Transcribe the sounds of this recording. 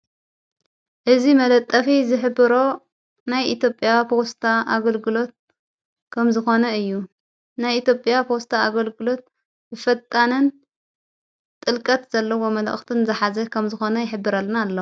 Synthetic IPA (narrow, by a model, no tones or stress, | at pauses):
ʔɨzimɐlɐt̪ʼːɐfizɨħɨbɨɾo̞ | najʔit̪ʰjo̞pʼːjapʰo̞st̪ʰaʔaɡɐlɡɨlo̞t̪̚ | kʰɐmzɨxo̞nɐɨjːu | najit̪ʰjopʼjapʰost̪ʰaaɡɐlɡɨlo̞t̪̚ | bɨfɐt̪ʼːanɨn | t̪ʼɨlkʼɐt̪z̥ɐlːɐwo̞mɐlʔxt̪ʰɨnzɐħazɐkʰɐmzɨxo̞nɐjɪħɨbːɨɾalnalːo